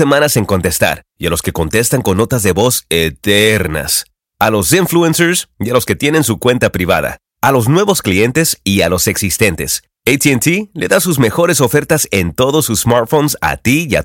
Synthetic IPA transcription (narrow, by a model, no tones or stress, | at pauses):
e̞mãnase̞ŋko̞nt̪e̞st̪a̰ɾ | ialo̞ske̞ko̞nt̪e̞st̪aŋko̞nːo̞t̪azðe̞βo̞set̪eɾna̰s | alo̞siɱfluenseɾsialo̞ske̞t̪je̞nẽ̞ns̬ukwe̞nt̪apɾiβ̞a̰ða̰ | alo̞znwe̞βo̞sklie̞nt̪e̞sialo̞se̞ksist̪e̞nt̪e̞s | ejt̪ient̪ile̞̰ðasuzme̞xo̞ɾe̞so̞fe̞ɾt̪ase̞nt̪o̞ðosusmaɾt̪fo̞nsa̰t̪iia̰